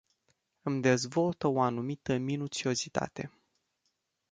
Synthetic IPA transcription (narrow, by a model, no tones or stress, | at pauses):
ɨmd̪e̞zvo̞lt̪əoanumit̪əminut̪t͡ʃio̞zit̪a̰t̪e̞̰